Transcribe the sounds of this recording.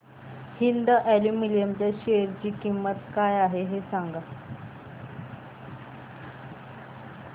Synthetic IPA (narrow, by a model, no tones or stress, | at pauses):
hind̪əʔɛlimilijəmt͡ɕjaɕeɾt͡ɕiːkimːət̪kajaɦeɦesãŋɡa